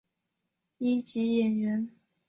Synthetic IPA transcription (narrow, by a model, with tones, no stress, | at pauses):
i˥t͡ɕi˧˥jɛ˨˩nɥɛ˧˥n